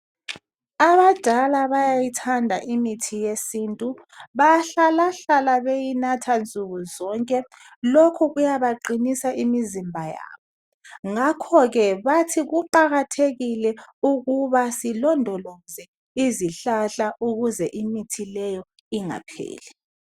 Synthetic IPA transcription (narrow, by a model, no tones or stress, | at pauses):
aβad̥ʱalaβajajitʰandʱaʔimitʰijesiːntʼu | βajɬalaɬalaβejinatʰant͡sʼuɣuzɔŋkʼɛ | lokʰuɣujaβaǃinisaʔimizimbʱaja̰ːβɔ | ŋakʰɔɣɛβatʰiɣuǃaɣatʰeɣilɛuɣuβasilɔndʱɔlɔzɛ | iziɬaɬaʔuɣuzɛʔimitʰilɛjɔ | iŋa̰pʰḛːlɛ